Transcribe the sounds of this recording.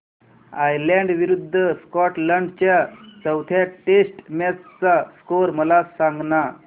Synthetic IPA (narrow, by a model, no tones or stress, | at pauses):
ajlaɳɖʋiɾud̪ʱːəskɔʈləɳɖt͡ɕjasəwt̪ʰjaʈesʈmat͡st͡sːaskoɾməlasãŋɡna